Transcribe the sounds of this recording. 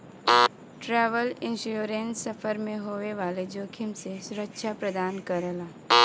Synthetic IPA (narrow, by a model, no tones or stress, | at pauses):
ʈɾɛːʋəlɪ̃nʃoɾẽnsɐfʰəɾmẽɦoːʋeʋaːled͡ʒoːkʰɪmsesʊɾəkʃʰapɾɐd̪aːnkɐɾəlaː